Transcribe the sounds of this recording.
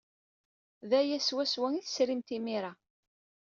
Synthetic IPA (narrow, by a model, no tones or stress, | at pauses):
ðæjæswæswæŋiθə̥sɾimt̪imiɾa